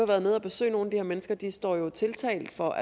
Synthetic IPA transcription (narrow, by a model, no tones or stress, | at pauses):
ɑʋæːɐð̞̩ˠneð̞̰ˠɒb̥e̝sø̰ːɪno̝ːn̩æd̥ihæɐmenəsɡ̥ɐd̥isd̥ɒ̰ːjo̝t͡sʰe̝lt͡sʰɛ̰ɪld̥fɒ̽ʔæ